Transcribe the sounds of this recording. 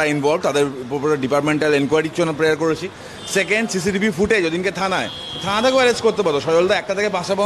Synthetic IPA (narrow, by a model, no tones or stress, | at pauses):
ainbɔlbt̪ad̪eɾpopuɾeɖipaɾʈmeɳʈalenkwajɾit͡ɕonopɾeaɾkoɾet͡ɕʰi | sekeɳɖsis̬iʈibʱifuʈed͡ʑod̪inket̪ʰãnae | t̪ʰãat̪ʰakoɛɾed͡ʑkoɾt̪epaɾt̪oʃɔjold̪aɛk̚ʈat̪ʰekepãʃaba